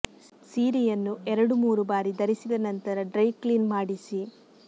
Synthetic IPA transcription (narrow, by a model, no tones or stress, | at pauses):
siːɾijɐnːuɛɾɐɽumuːɾubaːɾid̪ɐɾisid̪ɐnɐnt̪ɐɾɐɖɾɐjkliːnmaːɽisi